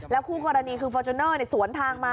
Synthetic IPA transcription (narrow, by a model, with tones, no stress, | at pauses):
lɛː˦˥wkʰuː˥˩kɔː˧ɾa˧niː˧kʰɯː˧fɔː˧t͡ɕʰu˧nɤː˥˩ni˥˩su˩˦ənt̪ʰaː˧ŋmaː˧